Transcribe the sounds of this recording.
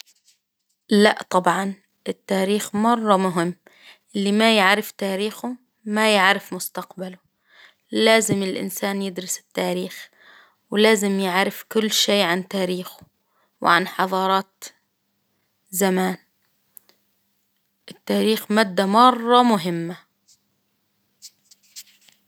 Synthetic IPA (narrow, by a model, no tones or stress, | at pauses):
laʔt̪ˤɑbʕɑn | ʔɪt̪ːaːɾiːxmɑrˤːɑmʊɦɪmː | ʔɪlːimajaʕɾɪft̪aːɾiːxʊ | majaʕɾɪfmʊst̪aqbalʊ | laːzɪmɪlʔɪ̰nsaːnjɪd̪ɾɪsɪ̥t̪ːaːɾiːx | wlaːzɪmjɪʕɾɪfkʊlːʃeːʕant̪aːɾiːxʊ̥ | wʕanħɑðˤɑːɾˤɑːt̪ | zamaːn | ʔɪt̪ːaːɾiːxmaːd̪ːamɑrˤːɑmʊɦɪmːa